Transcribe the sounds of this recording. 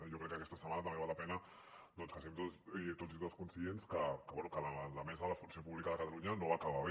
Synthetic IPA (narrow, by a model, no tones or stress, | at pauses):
ʒokɾɛkːəkɛst̪əɐsəmanət̪əmbeβalɐpɛnə | d̪ɔnskəsɛmt̪ot̪oit̪otskunsienskəkəβwɛnukələləmɛzəðələfunsiopuβlikaðəkət̪aluɲənoβakaβaβe